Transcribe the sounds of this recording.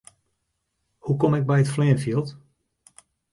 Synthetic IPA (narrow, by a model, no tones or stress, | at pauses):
hukɔmɪɡ̚bɛjətflɛːənfilˠt